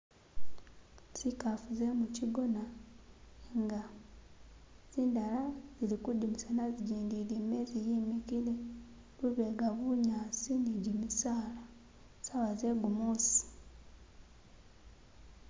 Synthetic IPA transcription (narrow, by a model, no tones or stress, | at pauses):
sikafuzemuciɡo̞na | eŋɡa | z̥iːndalazilikudimisanaziɟiːndilimezijimikile | luβeɡaβuɲaːt͡sindiɟimisaːla | saβazeɡumosi̥